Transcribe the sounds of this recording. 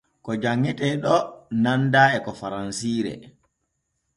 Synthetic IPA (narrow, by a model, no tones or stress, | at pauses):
kɔd͡ʒaŋːɛtɛɗɔnandaːɛkɔfaɾansiːɾɛ̰